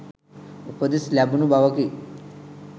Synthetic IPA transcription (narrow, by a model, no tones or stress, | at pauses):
opod̪eslæbunubaʋɐki